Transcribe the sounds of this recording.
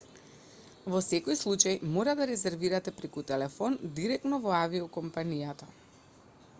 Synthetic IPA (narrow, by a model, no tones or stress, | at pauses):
vɔsɛkɔjslˠut͡ʃajmɔɾad̪aɾɛzɛɾviɾat̪ɛpɾɛkut̪ɛlɛfɔnd̪iɾɛk̚t̪nɔvɔaviɔkɔmpanijat̪a